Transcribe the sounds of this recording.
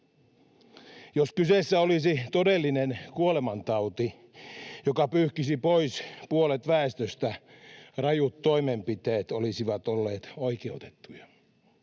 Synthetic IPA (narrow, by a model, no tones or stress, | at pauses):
joskyseˑsːæolisit̪odelːinenkuolemɑnt̪ɑut̪i | jokɑpyhkisipoispuolet̪ʋæest̪øst̪æ | rɑjut̪ːo̞imempit̪eːt̪olisiʋɑt̪olːeːt̪oikeut̪e̥t̪ːujɑ